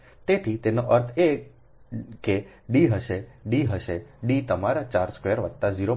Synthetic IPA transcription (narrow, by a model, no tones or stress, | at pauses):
t̪et̪ʰit̪enoʔəɾt̪ʰe | ke | ɖiɦəʃeɖiɦəʃeɖit̪əmaɾat͡ʃaɾskʋeəɾʋət̪t̪ːaziɾo